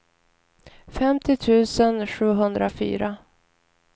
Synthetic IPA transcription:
fɛmt̪ɪt̪ʰʉ̟ːsənɧʉ̟ːɦɵnd̪ɾafy̰ːɾa

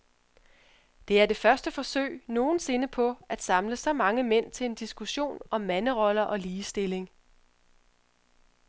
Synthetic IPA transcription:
d̥e̝æɐd̥e̝fɶɐsd̥əfɒ̽sø̰ɪno̝ːn̩se̝nəpʰɒ̽æd̥sɑ̈mləsɒ̽mɑ̈ŋəmen̰t͡sʰe̝le̝nd̥isɡ̥uɕo̝̰ːnɒ̽mːænəʁɒ̽lɐʔɒ̽liːsd̥e̝le̝ŋ

